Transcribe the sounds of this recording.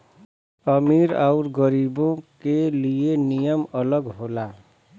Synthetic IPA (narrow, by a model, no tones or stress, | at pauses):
ʌmiɾauɾɡʌɾibõkelijenijʌmʌlʌɡɦola